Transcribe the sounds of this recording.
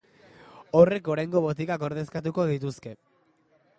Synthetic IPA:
ore̞ko̞ɾajŋɡo̞βot̪̬ikako̞ɾðe̞skat̪̬uko̞ðit̪uske̞

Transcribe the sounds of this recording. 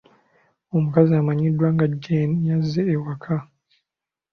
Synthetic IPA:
o̞mukaziamaɲidwaːŋɡaɟeazeːwakʰa

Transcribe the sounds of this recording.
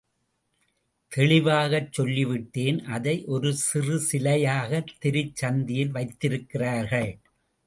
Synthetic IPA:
t̪ʰɛɭɪʋaːɣɐt͡ʃːɔlːiʋɪʈːeːnʔɐðɐɪʔɔɾɯsɪrɯsɪlɐjaːɣɐt̪ːɪɾɪt͡ʃːɐnd̪ɪjɪlʋɐɪt̪ːɪɾɯkːɪraːɾɣɐɭ

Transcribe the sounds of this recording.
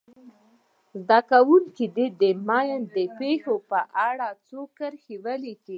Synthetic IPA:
zd̪akawuŋkid̪id̪əmɑjənd̪əpexopəʔaɽɑt͡sokəɾxiwəliki

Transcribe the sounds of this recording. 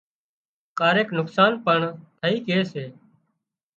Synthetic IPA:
kaːɾeːknʊksaːnpəɳt̪ʰəɦiːkeːseː

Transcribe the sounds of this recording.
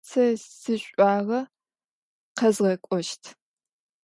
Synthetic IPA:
t͡sʰɐsɨɕʷʼɑːʁɐ | qɐzʁɐkʷʼɔʃtʰ

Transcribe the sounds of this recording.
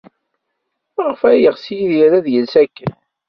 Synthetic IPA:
ʁəfæjəʁsijiðjæɾæðjəlsækːən

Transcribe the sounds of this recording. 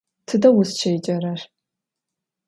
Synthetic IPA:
tʰɨdɐwʊst͡ʃʰɐjt͡ʃʼɐrɐr

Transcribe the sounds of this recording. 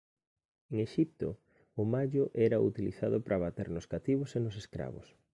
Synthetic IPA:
eŋeʃip̚t̪o̰ | ʊmaʎʊʔɛɾaut̪iliθaðʊpɾʔaβat̪eɾnʊskat̪iβ̞ʊsenʊseskɾa̰βʊ̰s

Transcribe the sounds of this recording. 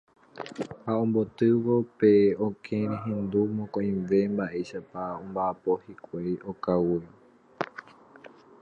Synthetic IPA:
haõmbo̞t̪ɨʋo̞pe̞okʰẽɾẽɦẽnd̪umõkõj̃ʋe̞mbaʔe̞ʃapaõmbaʔːpo̞hikʷejokawi

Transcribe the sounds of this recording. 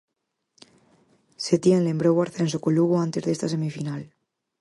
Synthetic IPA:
set̪jenlembɾowaɾθens̬okoluɣoant̪e̞zðest̪ase̞mifinal

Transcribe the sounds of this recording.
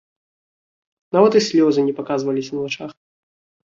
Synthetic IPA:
navat̪ɨsʲlʲɔzɨnʲɛpakazvɐlʲisʲnɐvat͡ʂax

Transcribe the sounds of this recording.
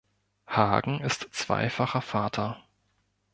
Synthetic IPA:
haːɡŋ̩ɪstt͡sv̥a̰ɪfaχɐfaːtʰɐ

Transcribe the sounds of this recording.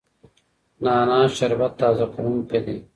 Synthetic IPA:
naːnaːɕɐɾbɐt̪ːaːzɐquɾumped̪e

